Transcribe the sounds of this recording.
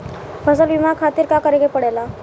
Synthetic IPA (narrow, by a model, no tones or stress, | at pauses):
fəsəlʋimakʰat̪iːɾkakəɾeɡepəɽajla